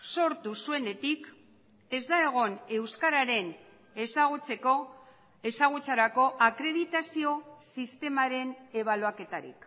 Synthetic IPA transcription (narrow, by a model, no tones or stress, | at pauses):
so̞ɾt̪usue̞ne̞t̪ik | e̞zd̪aeɣ̞o̞ne̞wskaɾaɾe̞n | e̞saɣ̞ut͡se̞ko̞ | e̞saɣ̞ut͡saɾako̞ʔakɾe̞ðit̪asio̞sist̪e̞maɾe̞ne̞β̞aloake̞t̪aɾḭk